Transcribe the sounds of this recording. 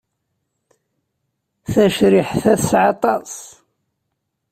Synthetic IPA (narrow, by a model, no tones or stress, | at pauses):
θæʃɾɪħθæθsʕɑt̪ˤɑsˤ